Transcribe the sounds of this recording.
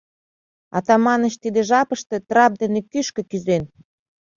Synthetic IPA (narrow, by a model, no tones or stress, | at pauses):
ɑ̰t̪ɑmɑnə̆t͡ɕt̪id̪eʒɑpəʃt̪ĕt̪rɑp̚d̪enekyʃkə̆kyzen